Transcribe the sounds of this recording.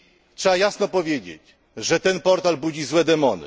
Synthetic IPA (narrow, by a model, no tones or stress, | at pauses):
tʂɛajasnɔpɔvʲjed͡ʑḛt͡ɕ | ʐɛt̪ɛnpɔɾt̪albud͡ʑizwɛd̪ɛmɔnɘ̰